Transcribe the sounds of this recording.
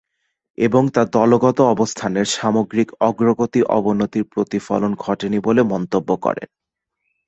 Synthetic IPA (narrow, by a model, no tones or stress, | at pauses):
eboŋt̪ad̪ɔloɡɔt̪oɔbost̪ʰaneɾʃamoɡɾikɔɡɾoɡot̪iʔɔ̰bonot̪iɾpɾot̪ifɔ̰lonɡʱɔʈenibolemɔnt̪obːokɔ̰ɾḛn